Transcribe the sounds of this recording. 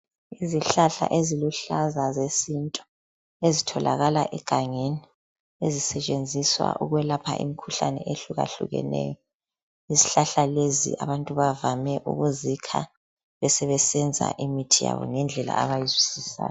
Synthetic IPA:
iziɬaɬa̰ʔeziluɬazazesintʼɔ̥ | ezitʰɔlʔaɣalaʔɛɡ̥ʱaŋeni | ezisɛt͡ʃʼend͡zʱiswa̰ʔuɣwɛlapʰaʔḭmikʰuɬanɛ̰ʔeɬuɣa̰ɬṵɣɛ̰nɛ̰ːjɔ | iziɬaɬalezḭʔaβantʼuβavamɛʔṵɣuzikʰa | βɛsɛβɛsɛnd͡zʱa̰ʔimitʰija̰βɔ̰ŋɛnd͡ɮʱɛla̰aβajizwisisa̰ːjɔ

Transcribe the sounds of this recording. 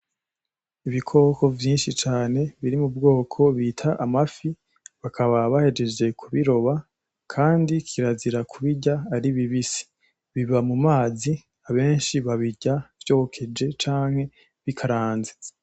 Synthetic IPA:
iβikʰo̞kʰo̞vjiːnʃit͡ʃaːne̞βiɾimub̚ɡo̞ːkʰo̞βiːtʰaʔamafi | βakʰaβaβahe̞d͡ʒe̞d͡ʒe̞kʰuβiɾo̞βa | kʰaːndikʰiɾaziɾakʰuβiɟaːɾiβiβisi̥ | βiβamumaːzi | aβe̞ːnʃiβaβiɟav̥jo̞ːkʰe̞d͡ʒe̞t͡ʃaːŋhe̞ | βikʰaɾaːnze̥

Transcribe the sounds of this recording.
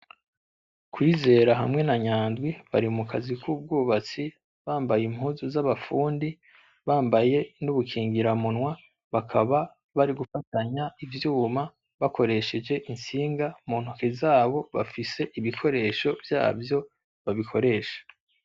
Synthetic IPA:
kwiːze̞ːɾaɦa̰mŋe̞naɲaːndwiβa̰ɾimukʰazikʰuːb̚ɡuːβat͡si | βaːmbajim̥huːzuzaβafuːndi | βaːmbaje̞nuβukʰiːŋɡiɾamunwa | βakʰaβa | βaɾiɡufataɲaivjuːma | βako̞ɾe̞ʃe̞d͡ʒe̞ʔinsiːŋɡamuːn̥hukezaːβo̞βa̰fise̞ʔiβikʰo̞ɾe̞ʃo̞vja̰ːvjo̞ | βaβikʰo̞ɾe̞ʃḁ

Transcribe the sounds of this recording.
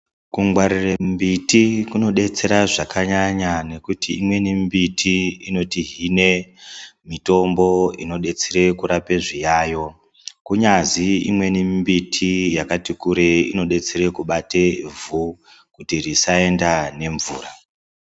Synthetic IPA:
kuŋɡwaɾirembitikuno̞ɗe̞t͡se̞ɾaʐakʰaɲaɲane̞kutiimwe̞nimbitʰiino̞tiɦine̞ | mito̞mbo̞ḭno̞ɗe̞t͡seɾe̞kuɾape̞ʐijaːjo̞ | kuɲaziimwe̞nimbitʰijakatikuɾe̞ino̞ɗe̞t͡seɾe̞kuɓate̞vu | kutirisae̞ndane̞ɱvuːra

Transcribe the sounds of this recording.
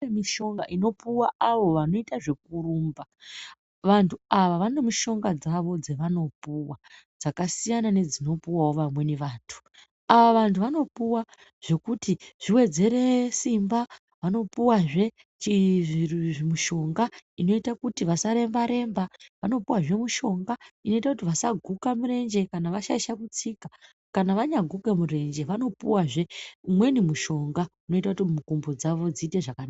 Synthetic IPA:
emiʃo̞ŋɡaʔino̞puwaaʋo̞ʋano̞itaʐe̞k̚uɾuːmba | ʋantʰuaʋaʋane̞muʃo̞ŋɡad͡zaʋo̞d͡ze̞ʋano̞puwa | d͡zakasijanane̞d͡zino̞puwawo̞ʋamwe̞ne̞ʋaːntʰu̥ | aʋaʋantʰuʋano̞puwa | ʐ̥e̞kutiʐ̥iwe̞d͡ze̞ɾe̞simba | ʋano̞puwaʐe̞ | t͡ʃi | muʃo̞ŋɡaino̞itakutiʋasaɾe̞mbaɾe̞mbaʋano̞puwaʐe̞muʃo̞ŋɡaino̞itakutiʋasaɡʱukamure̞nd͡ʒe̞kanaʋaʃaiʃakut͡sika | kanaʋaɲaɡʱuke̞mure̞nd͡ʒe̞ʋano̞puwaʐe̞mwe̞nimuʃo̞ŋɡauno̞itakutimukumbo̞d͡zaʋo̞d͡ziːte̞ʐakanaːa

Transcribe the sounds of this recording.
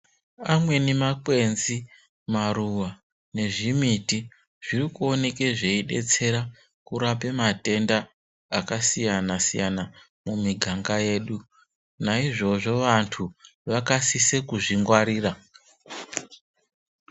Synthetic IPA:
amwe̞nemakwe̞nzi | maɾuwa | ne̞ʐimiti | ʐ̥irikuo̞ne̞ke̞ʐeiɗe̞̰t͡se̞ɾa | kuɾape̞mate̞ndaː | kasijanasijana | mumiɡʱaŋɡaje̞ːɗu | naiʐo̞ʐo̞ʋantʰuʋakasisekuʐiŋɡwaɾiːra

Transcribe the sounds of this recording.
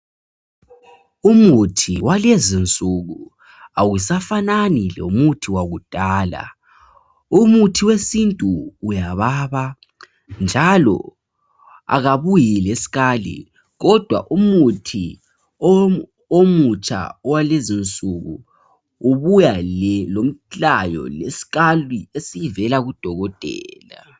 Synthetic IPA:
umutʰiwalezint͡sʼuɣu | awusafananilo̰umutʰiwaɣud̥ʱaːla̰ | umutʰiwesintʼuːjaβaβa | nd͡ʒʱalɔ̰ | a̰ɣaβujilesi̥ɣalḭ | ɣɔd̥ʱwa̰ʔumutʰi | omut͡ʃʼa̰ɔwalezint͡sʼuɣṵː | βujallom̩t͡ɬajɔ̰lesi̥ɣaliesijivɛlaɣud̥ʱɔɣɔtʼɛːla

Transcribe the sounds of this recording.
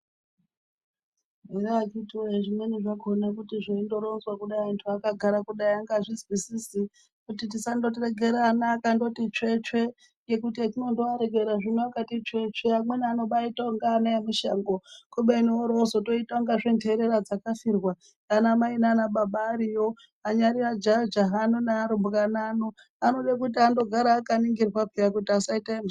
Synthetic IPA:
meɾaakitiwoeʐimweniʐaɡʱonakutiʐaindo̞ɾonzwakuɗaiantʰuakaɡʱaɾakuɗaiaŋɡaʐizwisisi | kutitisando̞t̬eɾeɡʱe̞ɾaːnaːkando̞tit͡ʂet͡ʂe̞ | jekutiatino̞ndoaɾeɡʱe̞ɾaʐinuakatit͡ʂe̞t͡ʃe̞amwe̞niano̞ɓaitoŋɡaːneemiʃaŋɡokuɓenioɾoːzoto̞itauŋɡaʐendʱeɾe̞ɾad͡zakafirwa | kanamainanaɓaɓaːɾijo̞ | aɲaɾirad͡ʒad͡ʒaɦanunaːɾumbukanano | ano̞ɗakutiando̞ɡʱaɾaːkaniŋɡirwapijakutiasaitaemʃ

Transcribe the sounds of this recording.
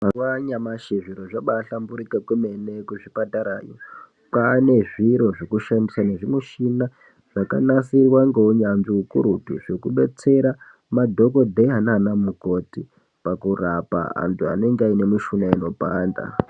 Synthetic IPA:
mawaɲamaʃeʐiɾoʐaɓaɬambuɾikakwemenekuʐipataɾaːjo | pane̞ʐiɾo̞ʐekuʃandisane̞ʐimuʃina | ʐ̥akanasirwaŋɡeuɲanʐiukuɾutiʐe̞kuɓe̞t͡se̞ɾa | madʱo̞ko̞d̪ʱeɦananamuko̞ti | pakurapa̰a̰ntʰua̰ne̞ŋɡaine̞muʃunaino̞panda̰

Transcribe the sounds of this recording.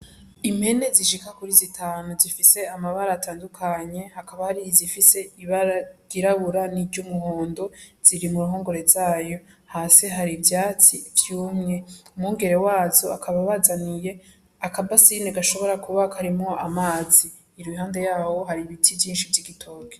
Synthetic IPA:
imhe̞ne̞ziʃikakuɾizitʰaːnuzifise̞amaβaɾaːtʰaːndukʰaɲe̞hakaβahaɾizifise̞iβaɾaɡ̥iɾaβuɾanid͡ʒɟomuhoːndo̞z̥iɾimuɾuɦoːŋɡo̞ɾe̞zaːjo̞haseɦaɾivjaːt͡sivjuːmɲeumŋuːŋɡe̞ɾe̞waːzo̞a̰kʰaβaβazanije̞ | akʰabasineɡaʃo̞βo̞ɾakʰuβakʰaɾimŋo̞ʔamaːziː | ɾwiɦaːnde̞jaːwo̞ɦaɾiβitʰivjiːnʃivjiɡitʰo̞ːɡe

